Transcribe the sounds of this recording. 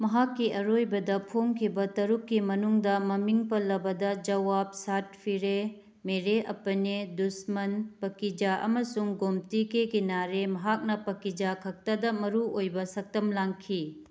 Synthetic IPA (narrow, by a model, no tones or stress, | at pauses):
mɐɦakːiɐɾojbɐdɐpʰoŋkʰibɐtɐɾukːimɐnuŋdɐmɐmiŋpɐlːɐbɐdɐd͡ʒɐwap̚sat̚pʰiɾe | meɾeʔɐ̰pɐnedusmɐnpɐkid͡ʒaʔɐ̰mɐsuŋɡomtikeɡinaɾemɐɦak̚nɐpɐkid͡ʒakʰɐk̚tɐdɐmɐɾuojbɐsɐk̚tɐmlaŋkʰi